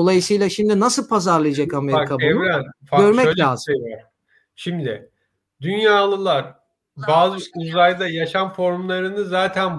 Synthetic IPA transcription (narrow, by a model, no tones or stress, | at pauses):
olˠajɯsɯjlˠaʃimd̪inasɯlˠpʰazaɾlˠɯjad͡ʒakameɾikʰabuɛnvɾænfaɡø̞ɾmɛøaːzejvaɾ | ʃimd̪ɪ | d̪ynjaːlˠɯlˠaɾ | baːzɯuzajd̪ajaʃanfo̞ɾmlˠaɾɯnɯzaːt̪ʰæn